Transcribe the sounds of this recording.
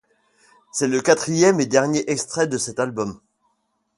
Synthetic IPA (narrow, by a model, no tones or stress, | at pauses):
sɛləkat̪χijɛmed̪ɛʁnjeʔɛkst̪χɛd̪əsɛt̪albɔm